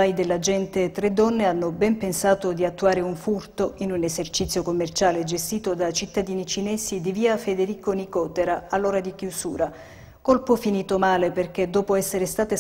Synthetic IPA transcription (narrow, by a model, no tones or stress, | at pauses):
ajd̪elːad͡ʒɛnt̪et̪ːɾed̪ːɔnːeanːobɛmpensaːt̪od̪iat̪ːuaːɾeuɱfurt̪oʔinunezert͡ʃit̪sːjokomːert͡ʃaːled͡ʒest̪iːt̪od̪at͡ʃit̪ːad̪iːnit͡ʃinɛːsid̪iviːafed̪eɾiːkonikɔːt̪eɾaalːoːɾad̪ik̟jusṵːɾa | kolpofiniːt̪omaːleperk̟ed̪ːɔːpoɛsːeɾest̪aːt̪e